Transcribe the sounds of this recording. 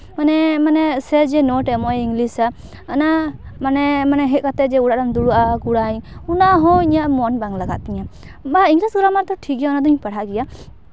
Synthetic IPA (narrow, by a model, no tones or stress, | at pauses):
manɛmanɛsɛd͡ʒɛnɔʈɛmɔjiŋlisaː | namanɛmanɛɦɛkat̪ɛd͡ʒɛuɽaʔɖand̪uɽuʔakuɽaɲunaɦɔ̃iɲaʔmɔnbaŋlaɡat̪̚iɲa | baiŋɡlisɡɾamat̪ɔʈʰikɛjaɔnad̪ɔɲpaɽaɡɛja